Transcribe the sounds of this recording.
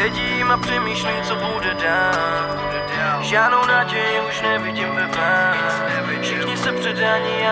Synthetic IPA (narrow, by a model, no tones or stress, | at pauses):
ɛɟimapr̝̥ɛmiːʃliːt͡sobowdɛdaː | ʒaːdnownaːɟɛjɪuʃnɛvɪɟimvɛvnaː | fʃɪxɲɪsɛpr̥ɛdaaɲia